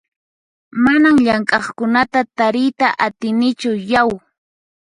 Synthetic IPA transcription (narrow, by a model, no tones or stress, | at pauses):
manamʎaŋkʼɑχkʊnat̪at̪aɾɪjt̪aʔat̪ɪnɪt͡ʃʊjaw